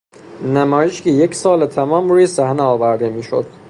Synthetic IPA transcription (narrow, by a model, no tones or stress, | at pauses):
næmɒːjeʃcʰejecʰsɒːlet̪ʰæmɒːmɾuːjesæhneɒːvæɾd̪emiːʃo̰d̪̥